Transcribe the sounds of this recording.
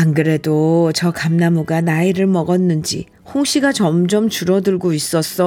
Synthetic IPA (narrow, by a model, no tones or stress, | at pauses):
anɡɯɾe̞dot͡ɕʌkamnamuɡanaiɾɯɭmʌɡʌnːɯnd͡ʑḭ | hoŋɕʰiɡat͡ɕʌmd͡ʑʌmt͡ɕuɾʌdɯɭɡois͈ʌs͈ʌ